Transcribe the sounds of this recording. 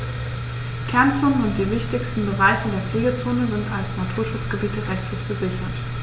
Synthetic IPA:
kʰɛɐnt͡sʊnənʊntd̥iːvɪçtɪçstn̩bəʁaɪçədeːɐfl̥iːɡɐt͡soːnəzɪntalsnatʰuːɐʃʊt͡sɡ̥əbiːtəʁɛçtlɪçfəzɪçɐt

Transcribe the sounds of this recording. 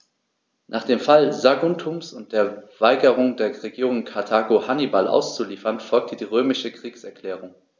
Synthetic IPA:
nʔaːχd̥eːmfalzaɡuntʰumsʊnt̚d̥eːɐv̥aɪɡəʁʊŋdeːɐʁeɡiːʁʊŋkʰatʰaːɡohanibalʔa̰ʊst͡suliːfɐnfɔlk̚tʰədiːʁøːmɪʃəkʁ̥iːksɛɐkl̥ɛːʁʊŋ

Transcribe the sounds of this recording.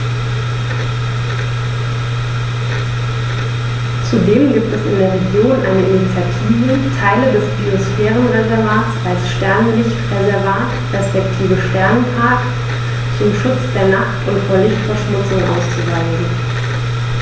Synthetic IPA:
t͡sudeːmɡiːp̚tɛsɪ̰ndeːɐʁeɡjoːnʔa̰ɪnəʔɪnit͡sjatʰiːvətʰaɪlədɛsb̥iosfɛːʁ̞ənʁɛzɛɐʁaːtsalsʃtɛɐnvɪçtʁɛzɛɐvaːt | ʁɛspɛk̚tʰiːvəʃtɛɐnpʰaɐk | t͡sʊmʃʊt͡sd̥eːɐnaχtʊntfoːɐlɪçtfɛɐʃmʊt͡sʊŋʔa̰ʊst͡suvaɪçn̩

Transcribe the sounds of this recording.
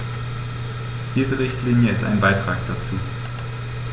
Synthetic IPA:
d̥iːzəʁɪçtliːnjəɪsta̰ɪnbaɪtʁ̥aːkd̥at͡suː

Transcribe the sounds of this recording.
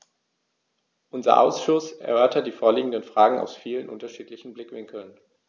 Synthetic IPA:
ʔʊnzɐ̰ʔa̰ʊsʃʊsʔɛ̰ɐʔœɐtɐt̚d̥iːfoːɐliːɡŋ̩dənfʁ̥aːɡŋ̩a̰ʊsfiːlənʔʊntɐʃiːtlɪçn̩blɪkv̥ɪŋkl̩n

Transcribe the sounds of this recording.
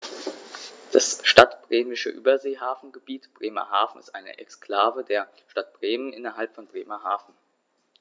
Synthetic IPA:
d̥asʃtatb̥ʁeːmɪʃəʔyːbɐzeːɦaːfn̩ɡəbiːtb̥ʁeːmɐ̰haːfn̩ɪ̰stʔaɪnə̰ʔɛ̰kskl̥aːvədeːɐ | ʃtat̚b̥ʁeːmənʔɪnɐɦalpfɔnbʁeːmɐɦaːfn̩

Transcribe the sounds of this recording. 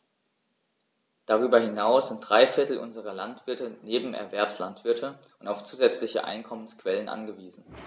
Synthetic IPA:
d̥aʁ̞yːbɐhɪnaʊsz̥ɪnt̚d̥ʁaɪfɪɐtl̩ʔʊ̰nzəʁ̞ɐlantv̥ɪɐtəneːbm̩ʔɛ̰ɐvɛɐpslantv̥ɪɐtʰə | ʊntaʊft͡suːzɛt͡slɪçə̰ʔa̰ɪnkʰɔmənskv̥ɛlənʔa̰nɡəviːzn̩

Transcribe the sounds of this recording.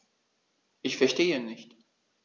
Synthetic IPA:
ɪçfɛʃtʰeːinːɪçt̪

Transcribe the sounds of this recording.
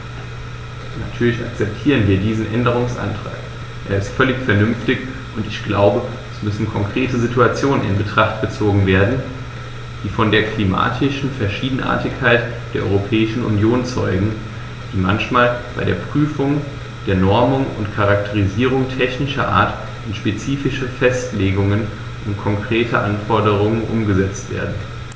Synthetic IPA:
natʰyːɐlɪça̰k̚t͡sɛp̚tʰiːʁ̞ənviːɐdiːzn̩ʔɛndəʁ̞ʊŋsʔa̰ntʁ̥a̰ːk | ʔḛːɐɪstfœlɪçfɛɐnʏmftɪç | ʔʊntɪçɡ̥laʊbə | ɛsmʏsn̩kʰɔŋkʁ̥eːtəzituat͡sjoːnənɪ̰nbətʁ̥aχtɡ̥ət͡soːɡŋ̩veːɐdn̩ | d̥iːfɔndeːɐkl̥ima̰ːtʰɪʃn̩fɛɐʃiːdn̩ʔa̰ːɐtɪçkʰaɪt | d̥eːɐʔɔ̰ʏʁopʰɛːɪʃn̩ʊ̰njoːnt͡sɔʏɡŋ̩ | d̥iːmançmaːlb̥aɪdeːɐpʁ̥yːfʊŋ | d̥eːɐnɔɐmʊŋʊntkʰaʁak̚tʰəʁ̞iziːʁ̞ʊŋtʰɛçnɪʃɐʔa̰ːɐt | ɪnʃpet͡siːfɪʃəfɛstleːɡʊŋən | ʔʊntkʰɔŋkʁ̥eːtʰə̰ʔanfɔɐdəʁ̞ʊŋənʔʊmɡəzɛt͡stv̥ḛːɐdn̩

